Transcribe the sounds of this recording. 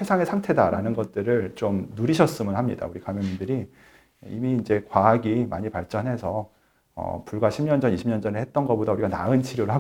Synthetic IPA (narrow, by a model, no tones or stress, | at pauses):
se̞sʰaŋe̞sʰaŋtʰe̞daɾanɯnɡʌt̚t͈ɯɾɯɭt͡ɕomnuɾiɕʰʌs͈ɯmɯnhamɲida̰uɾikamjʌŋɲindɯɾi | imiːnd͡ʑe̞kwaːɡimaɲipaɭt͡ɕ͈ʌnɦe̞sʰʌ | ʌ̰puɭɡwaɕʰimɲʌnd͡ʑʌniɕʰimɲʌnd͡ʑʌnehet̚t͈ʌnɡʌbodauɾiɡana̰ɯnt͡ɕʰiɾjoɾɯɭɦa